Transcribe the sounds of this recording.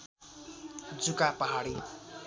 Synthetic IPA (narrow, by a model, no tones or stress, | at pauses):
d͡zukapaɦaɽi